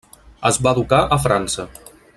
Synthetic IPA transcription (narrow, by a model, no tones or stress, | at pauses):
əzβaðukaʔəfɾansə